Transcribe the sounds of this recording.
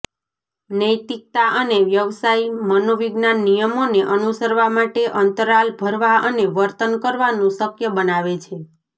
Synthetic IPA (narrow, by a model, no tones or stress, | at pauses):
nəjt̪ik̚t̪aʔəneʋjəʋsaimənoʋiɡnanːijəmoneʔənusəɾʋamaʈeʔənt̪əɾalbʱəɾʋaəneʋəɾt̪ənkəɾʋanũsəkjəbənaʋet͡ʃʰe